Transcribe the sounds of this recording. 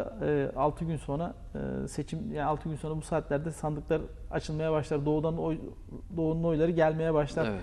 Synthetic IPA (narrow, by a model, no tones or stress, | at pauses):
ɯːʔalˠt̪ʰɯɟynso̞nɾa̰ | se̞t͡ʃʰimjaːnalˠt̪ʰɯɡɟynso̞nɾabusaːt̪lʲæɾd̪ɛsand̪ɯklˠaɾa̰t͡ʃʰɯlˠmajabaʃlˠaɾd̪o̞ːd̪anoj | d̪o̞ːud̪ano̞jlˠaɾɯɟælʲme̞jɛbaʃlˠaɾ